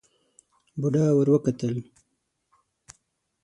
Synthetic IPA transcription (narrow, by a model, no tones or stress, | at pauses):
buɖaːwəɾwəkat̪əl